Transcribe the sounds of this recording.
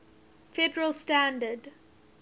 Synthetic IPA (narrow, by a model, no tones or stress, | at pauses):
feɖəɹəlsʈæ̃nɖəɖ